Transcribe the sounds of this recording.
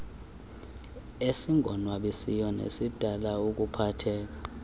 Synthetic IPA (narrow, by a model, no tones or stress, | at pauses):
esiŋʱɔnwaɓisijɔnḛsid̥ʱalaok̬upʰatʰɛːk̬a